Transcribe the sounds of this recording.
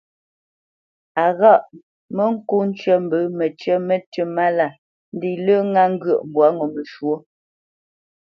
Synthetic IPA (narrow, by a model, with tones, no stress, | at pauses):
a˨ɣa˦˨ʔ | mə˦ŋ̩˦ku˦n̩˦t͡ʃɥə˦m̩˨bə˨˦mə˨t͡ʃɥə˦mə˦tə˦ma˦la˨ | n̩˦di˦˨lə˦ŋa˦ŋ̩˦ɡə˨ʔm˨bwa˨˦ŋɔ˨mə˨ʃwo˦